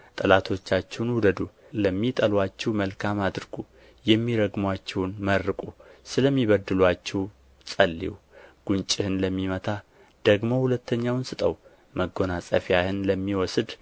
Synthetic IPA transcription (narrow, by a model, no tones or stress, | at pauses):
t̪ʼɨlat̪ʰo̞t͡ʃːat͡ʃːɛwnhud̪əd̪u | ləmːit̪ʼəlwat͡ʃːɛwməlkʰamad̪ɾɨɡ̥u | jɛmːiɾəɡmwat͡ʃːɛwnmərːɨkʼusɨləmːiβəd̪ɨlwat͡ʃːɛw | sʼəlːḭw | ɡ̥unt͡ʃʼɪhɨnləmːimət̪ʰa | d̪̥əɡmo̞hulət̪ʰːəɲːawnsɨt̪ʼəw | məɡo̞nasʼəfjahɨnləmːiwɔsɨd̪